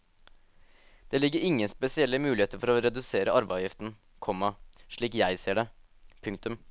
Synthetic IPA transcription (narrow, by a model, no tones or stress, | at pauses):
d̪̥ɛːlɪɡːəɾɪŋːənspɛsɪɛlːəmʉːlɪheːt̪əɾfɔɾoɾɛd̪ʉseːɾəʔɑɾʋɑjɪft̪n̩ | kʰɔmːɑʂɭiːkjæɪseːɖɛ | pʰʉŋkt̪ʉm